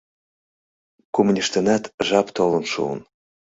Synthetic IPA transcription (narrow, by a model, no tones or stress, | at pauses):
kumunʲiʃt̪ənæt̪ʒɑpt̪olə̆nʃṵə̰n